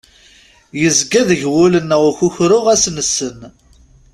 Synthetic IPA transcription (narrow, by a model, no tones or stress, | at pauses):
jəzɡæðəʝwʊlənːəʁçuçɾʊʁæsnəsːən